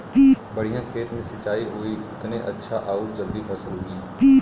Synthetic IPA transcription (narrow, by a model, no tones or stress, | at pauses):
bɐɽ̤ijãkʰeːt̪mẽsɪt͡ʃaːiɦoiʊt̪neʔɐtːʃʰaʔaːud͡ʒɐld̪ibʰʱɐsəlɦoːɡiː